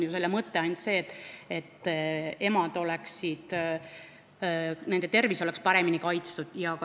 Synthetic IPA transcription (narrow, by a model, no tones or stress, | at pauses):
juse̞lːemɤt̪ːe̞ɑjnd̪se̞ːt̪ːˑe̞t̪ːe̞mɑd̪̥o̞lɛksid̪̥ | nend̪̥et̪e̞rviso̞lɛkspɑɾe̞minikɑjt̪st̪ud̪̥jɑkɑ